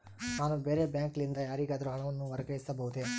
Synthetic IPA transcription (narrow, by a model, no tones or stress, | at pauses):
naːnubeːɾebjaːŋklind̪ɐjaːɾiːɡaːd̪ɐɾuɦɐɭɐʋɐnːuʋɐɾɐɡɐjisɐbɐɦud̪e